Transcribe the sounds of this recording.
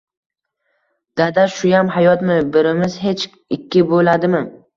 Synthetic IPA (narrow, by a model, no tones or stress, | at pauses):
d̪̥ad̪aʃʊjamhajɒt̪mɪbɪɾɪmɪzhe̞t͡ʃ | ɪkʲʰːɪbolad̪ɪmɪ